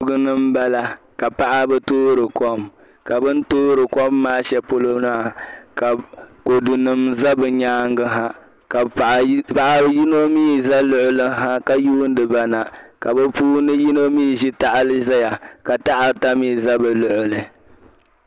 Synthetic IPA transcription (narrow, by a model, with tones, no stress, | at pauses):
ʊ˦ɡɨ˦nɨ˦m̩˦ba˦la˦ | ka˨pa˦ʔa˦bɛ˦toː˦ɾɨ˨kɔ˦m | ka˨bɨ˦n˦toː˦ɾɨ˨kɔ˦mːaː˦ʃɛ˦po˦lo˦na˦˨ka˨ko˨du˨nɨ˨mza˦bɨ˨ɲaː˦ŋɡɨ˦ɦa˦ | ka˨ʔpa˨ʔa˨˦ji˦no˦miː˦za˦lʊ˦ʔʊ˦lɨ˦ɦa˦ka˨juː˦n̩˦dɨ˨ba˨na˨ka˨bɛ˦puː˦nɨ˦ji˦no˦miː˦˨ʒi˦ta˨ʔa˨lɨ˦za˦ja˨ka˨ta˦ʔa˨ta˦miː˦˨za˦bɨ˨lʊ˨ʔʊ˨lɨ˨